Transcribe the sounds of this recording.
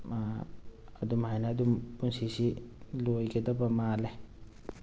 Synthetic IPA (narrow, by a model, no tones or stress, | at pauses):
ɐd̪umhajnaːd̪umpunsisilojɡed̪ɔbamale